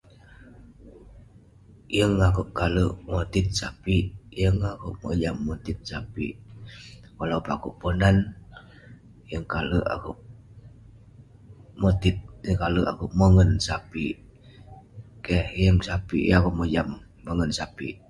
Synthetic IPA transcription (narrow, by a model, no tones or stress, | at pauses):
jəŋakuʔkaləʔmot̪ɪt̪̚sapijəŋakṵʔmo̰d͡ʒamːot̪ɪt̪̚sapḭ | kalaupakuʔponan | jəŋkaləʔa̰kuʔ | mot̪it̪̚jəŋkaləʔa̰kuʔməŋənsapi | kɛhjəŋsapḭjakuʔmod͡ʒamː | əŋənsapḭ